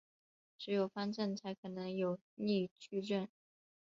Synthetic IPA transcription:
ʈ͡ʂɻ̩˧˥jo˨˩ʊfa˥nʈ͡ʂə˥˩nt͡sʰa˧˥ɪkʰɤ˨˩nɤ˧˥ŋjo˨˩ʊ | ni˥˩t͡ɕʰy˥ʈ͡ʂə˥˩n

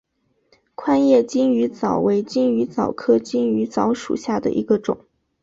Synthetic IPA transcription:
kʰwa˥njɛ˥˩t͡ɕi˥ŋy˧˥t͡sɑ˨˩ʊwe˧˥ɪt͡ɕi˥ŋy˧˥t͡sɑ˨˩ʊkʰɤ˥t͡ɕi˥ny˧˥t͡sɑ˧˥ʊʂṵ˨˩ɕja˥˩d̪ə̰˩ʔḭ˧˥ɡə˧ʈ͡ʂʊ̰˨˩˦ŋ

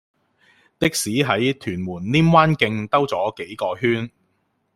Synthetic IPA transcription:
t̪ɪ˥k̚siː˨˥ɦɐ˨˥jt̪ʰyː˨˩nmuː˨˩nliː˥mwaː˥nkɪ˧ŋt̪ɐ˥wt͡sɔː˨˥ke˨˥jkɔː˧ɦyː˥n

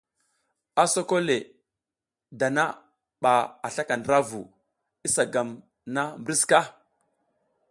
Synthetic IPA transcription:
a˦so˦ko˦le˨ | da˨na˦ | ɓa˨a˨ɬa˦ka˨ndɾa˦vu˨ | i˦sa˨ɡa˨m | na˦mbɾi˦ska˦

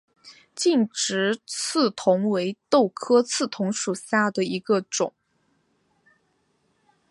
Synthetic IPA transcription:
t͡ɕi˥˩nʈ͡ʂɻ̩˧˥t͡s̩ʰ˥˩t̪ʰʊ˧˥ŋwe˧˥ɪt̪o˥˩ʊkʰɤ˥t͡sʰɹ̩˥˩t̪ʰʊ˧˥ŋʂu˨˩ɕja˥˩d̪ə˩i˧˥ɡə˧ʈ͡ʂʊ̰˨˩˦ŋ

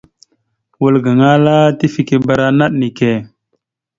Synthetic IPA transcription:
wu˨lɡə˨ŋa˦la˦ti˦fi˨ki˨ba˨ɾa˦na˦ɗni˨ke˨

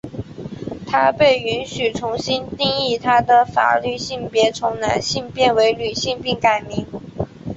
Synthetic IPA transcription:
t̪ʰa˥pe˥˩ɪy˧˥nɕy˨˩t͡sʰʊ˧˥ŋɕi˥nt̪i˥˧ŋi˥˩t̪ʰa˥d̪ə˨fa̰˨˩ly˥˧ɕi˥˩ŋpjɛ˧˥t͡sʰʊ˧˥ŋna˧˥nɕi˥˧ŋpjɛ˥˩nwe˧˥ɪly˨˩ɕi˥˧ŋpi˥˩ŋka˨˩ɪmi˧˥ŋ

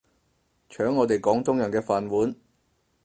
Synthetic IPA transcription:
t͡ʃʰœː˨˥ŋːɔː˨˧t̪e˨jkɔː˨˥ŋt̪ʊ˥ŋjœ˨˩nkɛː˧faː˨nwuː˨˥n

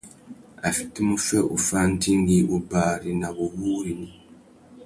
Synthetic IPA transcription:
a˨fi̥˨te˦mu˦fe˦ʔu˨fa˦nti˦ŋɡi˦ʔu˨baːɾi˨na˨βu˨huː˦ɾi˨ni˦

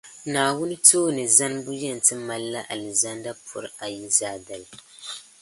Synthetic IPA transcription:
naː˨wʊ˦nɨ˦toː˦nɨ˨za˦n˦bʊ˦jɛ˦˨n̩˨tɨ˦ma˨lːa˦ʔa˨lɨ˨za˦nda˦pʰʊ̰˨ɾa˨ji˦zaː˦da˨l

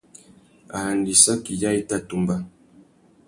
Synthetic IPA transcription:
a˨ha˨ndi˨sa˦ki˨ja˦i˦ta˦tu˨mba˦

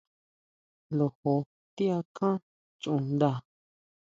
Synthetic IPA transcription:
lo˨ho˧ | t̪i˦a˧kʰã˦ | t͡ʃũ˧nd̪a˦˨

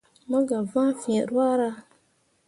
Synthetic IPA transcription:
ma˦ɡa˨va˦ŋfĩ˨ɛ˨ɾwa˦ɾa˦

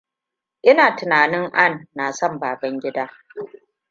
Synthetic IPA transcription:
ʔɪ˦naː˨tʊ˨naː˨nɪ˦ŋʔa˦˨nːa˨sɔ˦mbaː˨bɐ˦ŋɡʲɪ˦daː˦

